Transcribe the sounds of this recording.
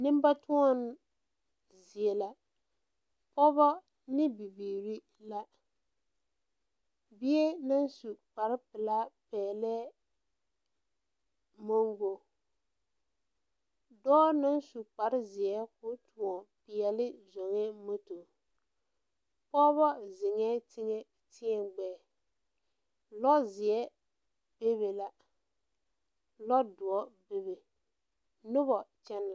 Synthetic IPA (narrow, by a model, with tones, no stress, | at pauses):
nɪ˦m˦ba˦tʊ˦ɔ˦n˦ | zɪ˨ɛ˨la˦ | pɔ˦bɔ˦ | nɪ˦bi˨biː˨ɾi˦ | la˦ | bi˦ɛ˦na˦n˦su˨k͡pa˨ɾɪ˦pɪ˨la˦pɛː˨lɛ˦ | mo˦ŋɡo˨ | dɔː˦nʊ˦n˦su˨k͡pa˨ɾɪ˦zɪ˨ɛ˦kʊ˦tu˨ɔ˨pɪ˨ɛ˨lɪ˦zo˨ŋɛ˦mo˦to˨ | pɔː˦bɔ˦zɪ˨ŋɛ˦tɪ˦ŋɛ˨ | tɪ˦ɛ˨ɡ͡bɛː˨ | lɔ˦zɪ˨ɛ˦ | b̥e˦βe˨la˦ | lɔ˦dʊ˨ɔ˦be˦βe˨ | nʊ˦βɔ˨t͡ʃɛ˦nl